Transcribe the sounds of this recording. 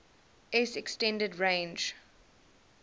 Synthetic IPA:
ʔɛsɛkstɛ̃ndədɹẽnd͡ʒ

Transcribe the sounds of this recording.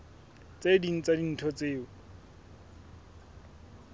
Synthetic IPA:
t͡sediŋ̩t͡sadin̩tʰɔt͡seːʊ

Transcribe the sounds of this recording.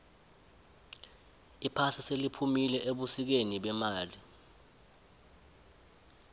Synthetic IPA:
ipʰasiselipʰumilɛʔeɓusik̬eniɓɛmaːli

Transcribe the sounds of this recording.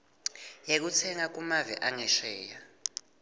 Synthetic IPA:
jek̬ut͡sʰɛŋak̬ʼumavɛ̰ʔaŋɛʃɛːja

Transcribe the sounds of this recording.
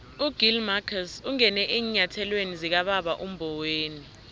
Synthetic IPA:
uɡ̥ʱilmakʰasuŋɛnɛʔiːɲatʰɛlwenizik̬aɓaɓaʔum̩bʱɔweːni

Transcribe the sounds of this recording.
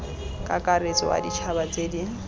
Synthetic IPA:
kʼakʼaɾet͡sɔwa̰dit͡ʃʰabat͡sʼeːdi

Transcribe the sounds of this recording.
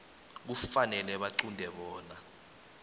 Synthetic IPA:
k̬ufanɛlɛɓaǃundʱɛɓɔːna

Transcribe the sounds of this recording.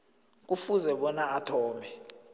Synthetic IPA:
k̬ufuzɛɓɔnaatʰɔːmɛ

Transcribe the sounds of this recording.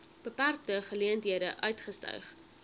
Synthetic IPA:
b̥əpærk̚təχəliəntɦiədəʔœɥtχəstœ̰ɥχ

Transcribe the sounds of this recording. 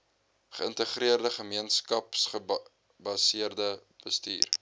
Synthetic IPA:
χəəntəχriərdəχəmiənskɐpsχə | bɐsiərdəb̥əstḭːr

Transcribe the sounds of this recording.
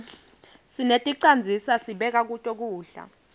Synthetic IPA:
sinetʼiǀand͡zʱisasiɓɛk̬ak̬utʼɔk̬uːɬa̰

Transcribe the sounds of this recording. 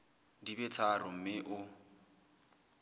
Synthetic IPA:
dibɛt͡sʰarʊm̩mɪʔʊ

